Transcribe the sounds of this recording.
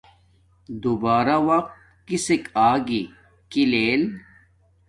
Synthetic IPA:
d̪ubaːɾawɐq̚t̪ | kisekaːɡi | kileːl

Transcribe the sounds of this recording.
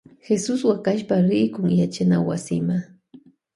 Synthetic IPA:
xesʊswakaʃpaɾɪjkʊŋjat͡ʃanawasɪma

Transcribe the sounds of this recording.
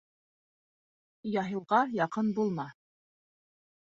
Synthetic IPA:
jɑɦɤ̆lˠʁɑjɑqɤnbulˠmɑ

